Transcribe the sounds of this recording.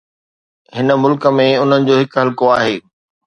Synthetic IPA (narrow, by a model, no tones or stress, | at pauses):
hɪnə̆mʊlkəmẽʊn̤ənɪ̆d͡ʑoːɦɪkɦɐlkoaːɦeː